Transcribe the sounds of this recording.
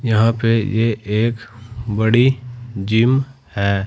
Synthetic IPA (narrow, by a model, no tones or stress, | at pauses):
jɐɦãpejeʔeːkbəɽid͡ʒim | hɛː